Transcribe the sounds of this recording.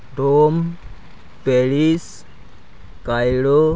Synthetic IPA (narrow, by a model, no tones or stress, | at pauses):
ɖom | peɭis | kajlo